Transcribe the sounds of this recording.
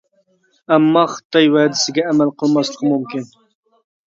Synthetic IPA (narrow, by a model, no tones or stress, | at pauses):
æmːɑχə̥t̪ʰɑjwæd̪ɪsɪɡʲɛːmælqʰəlˠmɑslˠəqmumkʲin